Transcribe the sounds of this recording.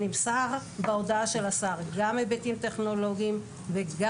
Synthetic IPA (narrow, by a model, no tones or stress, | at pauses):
nimsaʁ | beodaaʃe̞lasaʁɡamːebetimt̪e̞χno̞lo̞ɡiim | veɡa